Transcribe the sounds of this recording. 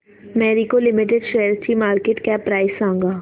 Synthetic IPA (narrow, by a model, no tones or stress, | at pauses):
mɛːɾikolɪmɪʈɪɖʃejəɾsimaːɾkeʈkjapɾaːɪsãːŋɡaː